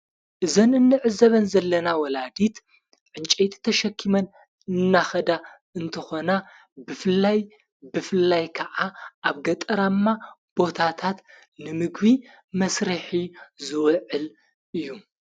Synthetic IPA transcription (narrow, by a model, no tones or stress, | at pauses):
ʔɨzɐnɨnːɨʕɨzɐβɐnzɐlːɐnawɔlad̪it̪ | ʕɨnt͡ʃʼejt̪ʰi̥t̪ʰɐʃɐkʰːimɐn | ɨnːaxɐd̪a | ɨnt̪ʰɐxo̞na | bɨfɨlːaj | bɨfɨlːajkʰɐʕaʔaβɡɐt̪ʼɐɾamːa | b̥o̞t̪ʰat̪ʰat̪ | nɨmɨɡβi | mɐsɾɨħizɨwʕɨl | ʔɨjːu